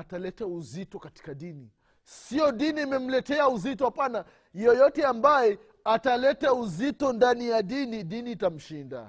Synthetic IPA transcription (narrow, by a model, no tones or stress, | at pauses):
atalɛtauzitɔkati̥kaɗini | sijɔɗiniimɛm̩lɛtɛauzitɔhapana | jɔjɔtɛambajɛ | atalɛtauzitɔndanijaɗiniɗiniːtam̩ʃinda̰